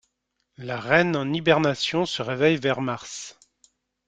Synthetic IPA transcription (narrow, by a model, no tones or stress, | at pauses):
laʁɛnɑ̃nibɛʁnasjɔ̃səʁevɛjvɛʁmaʁs